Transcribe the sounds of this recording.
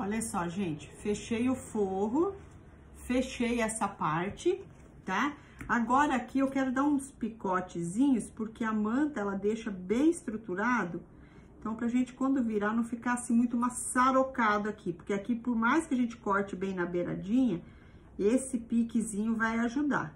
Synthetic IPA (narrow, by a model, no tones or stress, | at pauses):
ɔʎɐsɔʒẽnt͡ʃɪ̥feʃejʊfoɦʊ | feʃejɛsɐpaɾt͡ʃɪ | t̪a | aɡɔɾɐakʰiewkɛɾʊd̪aɾũspikɔt͡ʃɪzĩɲʊspoɾkeɐmɐ̃nt̪ɐɛlɐd̪eʃɐbẽj̃ɪst̪ɾut̪uɾad̪ʊ | ẽt̪ɐ̃w̃pɾɐʒẽnt͡ʃɪ̥kwɐ̃nd̪ʊviɾanɐ̃w̃fikasɪmũj̃t̪ʊmassaɾokad̪ʊakʰipoɾkeakipoɾmajskɪɐʒẽnt͡ʃɪ̥kɔɾt͡ʃɪbẽj̃nɐbeɾa̰d͡ʒĩɲɐ | esɪpikɪzĩɲʊvajaʒud̪a̰